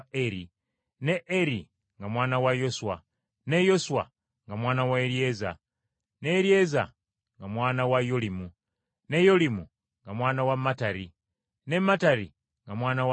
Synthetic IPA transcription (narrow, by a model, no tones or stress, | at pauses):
eɾi | ne̞ʔeɾi | ŋɡamwaːnawajo̞swa | ne̞jo̞swa̰ | ŋɡamwaːnawaeɾie̞za | neɾie̞za̰ | ŋɡamwaːnawajo̞limu | ne̞jo̞limu | ŋɡamwaːnawamːataɾi | ne̞mataɾi | ŋɡamwaːnaw